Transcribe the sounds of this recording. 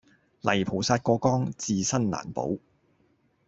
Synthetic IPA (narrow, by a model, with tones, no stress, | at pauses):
lɐ˨˩jpʰo˨˩wsaː˧t̚kɔː˧kɔː˥ŋt͡siː˧sɐ˥nla̰ː˨˩npo̰˨˥w